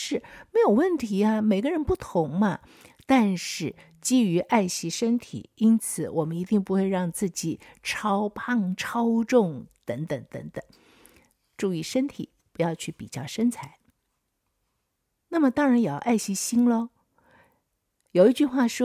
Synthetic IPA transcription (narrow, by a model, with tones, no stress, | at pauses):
ʂɻ̩˥˩me˧˥ɪjo˨˩ʊwə˥˩nt̪ʰi˧˥ɐ˧me˨˩ɪɡə˧ɻə˧˥npu˥˩t̪ʰʊ˧˥ŋmɐ˧ | t̪a˥˧nʂɻ̩˥˩ | t͡ɕi˥y˧˥ʔa˥˩ɪɕi˧˥ʂə˥nt̪ʰḭ˨˩˦i˥nt͡sʰɹ̩˧˩˦wɔ˨˩mə˦ni˧˥t̪i˥˧ŋpu˧˥xwe˥˧ɪɻɑ˥˧ŋt͡sɹ̩˥˩t͡ɕi˨˩˦ʈ͡ʂʰɑ˥ʊpʰɑ˥˩ŋʈ͡ʂʰɑ˥ʊʈ͡ʂʊ˥˩ŋt̪ə˧˥ŋt̪ə˨˧˥ŋt̪ə̰˧˥ŋt̪ə˩˦ŋ | ʈ͡ʂu˥˧i˥˩ʂə˥nt̪ʰḭ˨˩˦pu˧˥jɑ˥˧ʊt͡ɕʰy˥˩pi˨˩t͡ɕjɑ˥˩ʊʂə˥nt͡sʰa˧˥ɪ | na˥˩mə˩t̪ɑ˥ŋɻa˧˥njɑ˨˩ʊʔa˥˩ɪɕi˧˥ɕi˥nlə˧ | jo˨˩ʊi˥˧t͡ɕy˥˧xwa˥˩ʂwɔ˥